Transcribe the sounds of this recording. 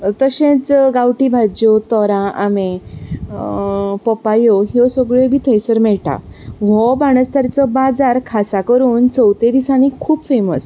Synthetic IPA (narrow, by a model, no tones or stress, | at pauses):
t̪əɕẽt͡sɡawʈibʱad͡ʑot̪ɔɾãamẽ | pɔpajɔɦjɔsɔɡɭebʱiːt̪ʰəjsəɾmɛɭʈa̰ʋɔbaɽ̃əst̪aɾt͡sɔbad͡zaɾkʰasakəɾuːnt͡səwt̪ẽd̪isãnikʰuːbfeməs